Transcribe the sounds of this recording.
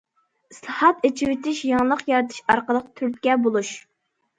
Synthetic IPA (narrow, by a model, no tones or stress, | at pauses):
islˠɑhɑt̪et͡ʃʰiwɪt̪ʰɪʃjɑŋlˠəqjɑɾɨt̪ʰɨ̥ʃɑɾqəlˠəq̚t̪ʰyɾt̪̚kʲɛbolˠuʃ